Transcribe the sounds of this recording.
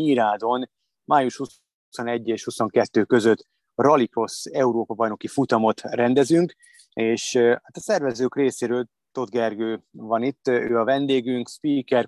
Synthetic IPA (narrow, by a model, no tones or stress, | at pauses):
iːɾaːd̪o̞n | maːjuʃhu | so̞nɛɟːeːʃhuso̞ŋkɛt̪ːøːkø̞zø̞t̪ː | rɒliko̞sɛuɾoːpɒbɒjno̞kifut̪ɒmo̞t̪rɛnd̪ɛzyŋk | eːʃhaːt̪ɒsɛrvɛzøːkreːseːɾøːl | t̪o̞d̪̚ɡɛrɡøːvɒnit̪ːø̰ːɒvɛnd̪eːɡyŋkspikɛr